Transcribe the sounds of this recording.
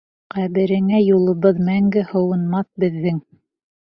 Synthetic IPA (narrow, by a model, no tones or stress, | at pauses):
qæβɘ̆ɾɘ̆ŋæjulˠɤ̆βɤðmæŋɡɘhɤ̆wɤ̆nmɑθbɘ̆ðːɘŋ